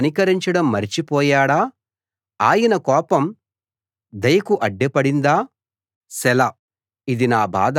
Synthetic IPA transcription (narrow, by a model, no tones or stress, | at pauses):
ɐnikɐɾiɲt͡ʃɐɽɐmːɐɾit͡ʃipɔːjaːɽaː | aːjɐnɐkɔːpɐm | d̪ɐjɐkuʔɐɖːɛpɐɽind̪aː | sɛlɐ | id̪inaːba̰ːd̪